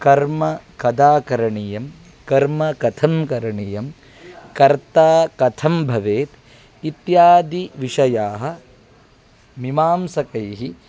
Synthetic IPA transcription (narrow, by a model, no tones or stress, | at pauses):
kɐɾmɐkɐd̪aːkɐɾɐɳijɐm | kɐɾmɐkɐt̪ʰɐmkɐɾɐɳijɐm | kɐɾt̪aːkɐt̪ʰɐmbʱɐʋeːt̪ | it̪jaːd̪iʋiʃɐjaːɦɐ̆ | mimaːmsɐkɐjɦi